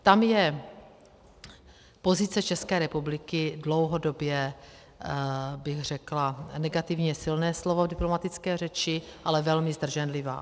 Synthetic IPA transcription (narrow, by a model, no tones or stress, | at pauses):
t̪amjɛ | po̞zɪt͡sɛt͡ʃɛskɛːɾɛpublɪkɪdlo̞wɦo̞do̞bjɛ | bɪɣr̝ɛklanɛɡat̪ɪvɲɛsɪlnɛːslo̞vovdɪplomat̪ɪt͡skɛːr̝ɛt͡ʃɪʔalɛvɛlmɪzd̪r̩ʒɛnlɪva̰ː